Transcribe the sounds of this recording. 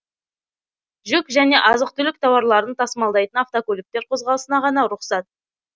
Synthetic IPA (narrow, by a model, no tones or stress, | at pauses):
ʒʏkʒæne̞ʔɑzəqt̪ʏlɪk̚t̪ʰɑwɑɾlˠɑɾənt̪ʰɑsəmɑlˠd̪ɑjt̪ənɑft̪okʲɵlɪk̚t̪e̞ɾqʰo̞zʁɑlˠəsənɑʁɑnɑɾʊqsɑt̪̚